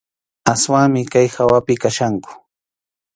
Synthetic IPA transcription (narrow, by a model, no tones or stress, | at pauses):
aswaŋmɪkajxawapɪkaʃaŋkʊ̥